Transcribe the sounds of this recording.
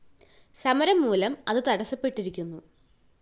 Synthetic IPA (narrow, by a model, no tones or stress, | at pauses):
sɐmɐɾɐmːuːlɐmɐðɨt̪ɐɽɐsɐpːe̞ʈːiɾikʲːunːu